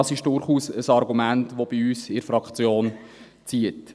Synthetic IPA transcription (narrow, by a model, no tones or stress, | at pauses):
ɑsɪʃd̥ʊɾχuːsəsɑɾɡumæntʋob̥iyːsɪɾfɾɑkt͡sjoːn | t͡siət